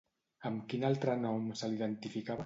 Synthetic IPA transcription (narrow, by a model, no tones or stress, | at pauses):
əmkinalˠt̪ɾənɔmsəliðənt̪ifikaβ